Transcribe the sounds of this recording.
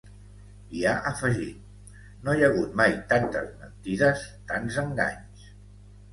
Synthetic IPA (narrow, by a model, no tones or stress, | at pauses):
iaʔəfəʒit̪̚ | nojəɣ̞ut̪majt̪ant̪ə̰zmə̰nt̪iðəst̪anzəŋɡa̰ɲs